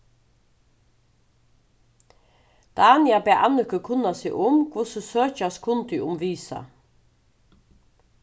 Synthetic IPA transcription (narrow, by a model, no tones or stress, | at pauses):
d̪̥ɑːnɪabæːʔɑnʏkəkʰʊnasḭʔʊmkʰʊsəsøːçaskʰʊnt̪yʔʊmʋiːsɑ̰